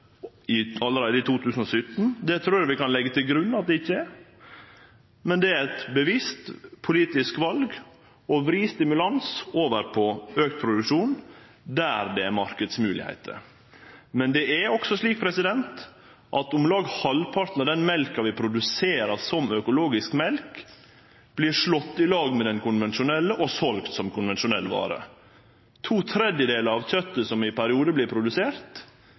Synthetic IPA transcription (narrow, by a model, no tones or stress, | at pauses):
ɪɑlːəɾeːd̪əɪt̪ʰuːt̪ʰʉːsən̩ɔsʏt̪ːn̩d̪ɛt̪ʰɾuːɾʋɪkɑnlɛɡːət̪ʰɪlɡɾʉnːɑt̪̚d̪ɛɪçːəɛ | mɛnd̪ɛæɾɛt̪bəʋɪst̪pʰʊliːt̪ɪskʋɑlɡ | ɔʋɾiːst̪ɪmʉlɑnsoːʋəɾpʰɔøːk̚t̪̚pʰɾʊd̪ʉkʂuːn | d̪æɾd̪ɛæɾmɑɾkəd̪smʉːlɪ̰hæ̰ɪt̪ʰə̰ | mɛnd̪ɛæɔksɔʂliːk̚pʰɾɛsɪd̪ɛnt̪ | ʔɑt̪ʊmlɑːɡhɑlpʰɑɾt̪nɔd̪ɛnmɛlkɑʋɪpʰɾʊd̪ʉseːɾəɾsɔmœkʊloːɡɪskmɛlk | b̥liːɾʂɭɔt̪ːɪlɑːɡmɛd̪ɛnkʰʊnʋɛnʃʊnɛlːəʔɔsɔlkt̪sɔmkʰʊnʋɛnʃʊnɛlːʋɑ̰ːɾə̰ | t̪ʰuːt̪ʰɾɛd̪jəd̪eːləɾɑʋt̪ʰœt̪ːəsɔmɪpʰæɾɪuːd̪əblɪɾpʰɾʊd̪ʉseːɾt̪